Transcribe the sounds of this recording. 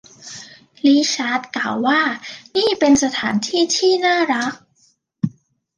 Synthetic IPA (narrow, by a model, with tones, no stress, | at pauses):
liː˦˥ɕaː˦˥t̪̚klaː˨˩wːaː˥˩niː˥˩pe˧nsa˧t̪ʰaː˩˦nt̪ʰiː˥˩t̪ʰiː˥˩naː˥˩ɾa˦˥k̚